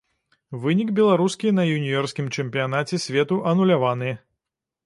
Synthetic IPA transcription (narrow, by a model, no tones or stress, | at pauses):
vɨnʲikbʲɛlˠaɾuskʲinɐjunʲijɔrskʲimt͡ʂɛmʲpʲijan̪at͡sʲɛsʲvʲɛt̪uʔɐnulʲavanɨ